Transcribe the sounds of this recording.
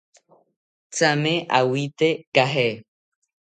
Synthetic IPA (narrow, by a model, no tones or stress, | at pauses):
t͡samẽʔawit̪ekaɦe